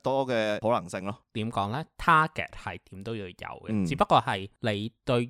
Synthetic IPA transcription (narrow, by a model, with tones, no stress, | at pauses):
t̪ɔː˥kɛː˧ho˨˥lɐ˨˩ŋsɪ˧ŋlɔː˥t̪iː˨˥mkɔː˨˥ŋlɛː˥t̪ʰaː˥kɛ̰ː˨˩t̚hɐ̰˨jt̪iː˨˥mt̪o˥wjiː˧wjɐ̰˨˧wɡɛ̰˧t͡st͡siː˨˥pɐ˥kɔː˧hɐ˨jle˨˧jt̪ɵ˧ɥ